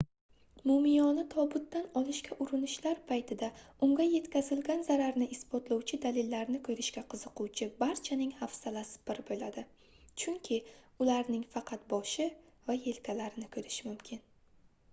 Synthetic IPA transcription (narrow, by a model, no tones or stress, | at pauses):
momɪjɒnɪt̪ʰɒbʊt̪ːanɒlɪʃkʲʰaʔʊɾɪnɪʃlaɾpʰajt̪ʰɪd̪aʊŋɡʲaje̞t̪kʲazɪlɡʲanzaɾaɾnɪʔɪsbɒt̪lˠawt͡ʃʰɪd̪alɪlːaɾnɪkʰɵɾɪʃkʲaqʰɨzɨqʊt͡ʃʰɪbaɾt͡ʃʰanɪŋhafsalasɪ̥bɪɾbolad̪ɪ | t͡ʃʰʊŋkʲʰɪʊlaɾnɪŋfɑqʰɑt̪bɒʃɪ | vaje̞lkʲʰalaɾɪnɪkʰɵɾɪʃmʊmkʲʰɪn